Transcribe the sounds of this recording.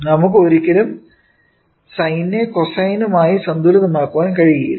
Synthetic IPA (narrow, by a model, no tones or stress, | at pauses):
nɐmuk̬ːɨoɾikʲːɐlum | sɐjnːe̞kosɐjnumaːjisɐnd̪uːɾɐðɐmaːkːuʋaːnkɐɻijɐjḭ